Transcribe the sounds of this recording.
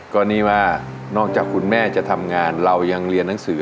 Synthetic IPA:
kɔː˧nːiː˥˩waː˥˩ | nɔː˥˩k̚t͡ɕaː˨˩kʰu˧nmɛː˥˩t͡ɕa˨˩t̪ʰa˧mŋaː˧nɾa˧wja˧ŋɾi˧ənːa˩˦ŋsɯː˨˩˦

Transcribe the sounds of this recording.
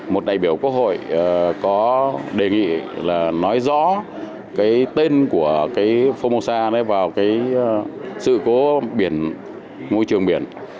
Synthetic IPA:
mo˨˩t̚ɗa̰ː˧˨jɓi˧˩əwku˦˥ək̚ho̰˧˨jkɔ˨˦ɗe˨˩ŋḭ˧˨laː˨˩nɔ˨˦jzɔ̰˧˥ | kaː˨˦jt̪e˧nku˧˩əkaː˨˦jfo˧mo˧saː˧na˨˦vaː˨˩wkaː˨˦j | sɨ̰˧˨ko˨˦ɓi˧˩ən | mo˧jt͡ɕɨ˨˩əŋɓi˧˩ən

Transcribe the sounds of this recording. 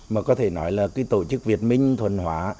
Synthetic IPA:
maː˨˩kɔ˨˦t̪ʰe˧˩nɔ˨˦jlaː˨˩kaː˨˦jt̪o̰˧˩t͡ɕɨ˦˥k̚vi˨˩ət̚mï˧ŋ̟t̪ʰwə˨˩nhwaː˨˧˦

